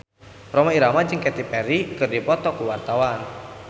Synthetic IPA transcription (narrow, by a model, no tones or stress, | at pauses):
rɔmaiɾamad͡ʒɨŋkɛt̪ipɛɾikɨrdipɔt̪ɔkuwart̪awan